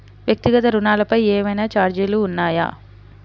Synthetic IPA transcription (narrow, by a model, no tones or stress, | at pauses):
ʋjɐk̚t̪iɡɐt̪ɐɾunaːlɐpɐjeːmɐjnaːt͡ʃaːɾd͡ʒeluːnːaːja̰ː